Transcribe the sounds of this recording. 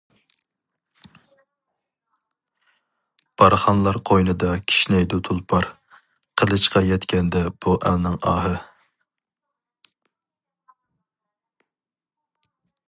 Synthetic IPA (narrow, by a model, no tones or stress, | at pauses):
b̥ɑɾχɑnlˠɑɾqʰojnɨd̪ɑkʲʰi̥ʃnɛjd̪ut̪ʰulˠpʰɑɾ | qʰəlˠɨʃqɑjɛt̪kʲɛnd̪ɛb̥uʔælˠnɨŋɑːɦɨ